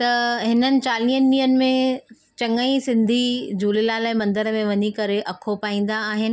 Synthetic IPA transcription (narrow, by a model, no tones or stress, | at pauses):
t̪ɐɦɪnənɪ̆t͡ɕaːliːɦəniːənɪ̆mẽ | t͡ɕɐŋəĩsɪ̃nd̪ʱid͡ʑuːlilalaːɪmɐ̃nd̪əɾəmẽʋɐɲikɐɾeʔɐkʰopaːĩːn̆d̪aːɦɪnɪ̆